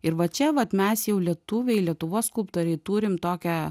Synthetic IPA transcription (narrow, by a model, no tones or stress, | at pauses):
ɪɾʋɐt͡ʃʲɛʋɐt̪mʲɛsjɛʊlʲiɛt̪uʋʲɛɪlʲiɛt̪ʊʋoːsskʊlˠpt̪oːɾʲɛɪt̪uːɾʲɪmt̪oːkʲɛ